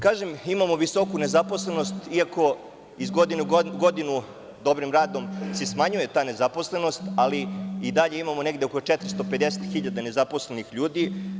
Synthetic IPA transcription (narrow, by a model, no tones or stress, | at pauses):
kaːʒemimamo̞ʋiso̞kune̞zapo̞slˠenost̪iako̞ | izɡod̪inuɡod̪inu | d̪o̞bɾimɾaːd̪o̞msesmaɲuje̞t̪aːne̞zapo̞slˠe̞no̞st̪aliid̪aʎeimamone̞ɡd̪eokot͡ʃɛt̪ɾist̪o̞pe̞d̪eset̪xiʎad̪ane̞zapo̞slenixʎuːd̪i